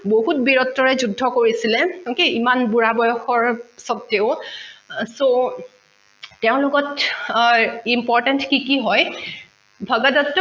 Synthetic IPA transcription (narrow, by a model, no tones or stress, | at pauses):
boɦutbiɹɔtːɔɹɛzudʱːɔkoɹisilɛokeimanbuɹabɔjɔxɔɹsɔtːeʊ | so | teʊ̃lʊkɔt | impɔɹtɛntkikiɦɔj | bʱaɡadɔtː